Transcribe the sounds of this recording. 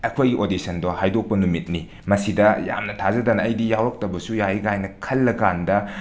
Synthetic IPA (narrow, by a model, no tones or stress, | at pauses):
ɐkʰojɡiʔodisɐndohajdok̚pɐnumit̚ni | mɐsidɐja̰mnɐtʰazɐdanɐɐjdijawɾɐk̚tɐbɐsujahiɡajnɐkʰɐlːɐɡandɐ